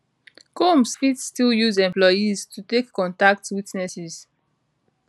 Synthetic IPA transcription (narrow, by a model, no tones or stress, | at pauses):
komsfitstiljuzɛ̃mplɔjiztʰutekːɔ̃ntak̚twitnɛsiz̥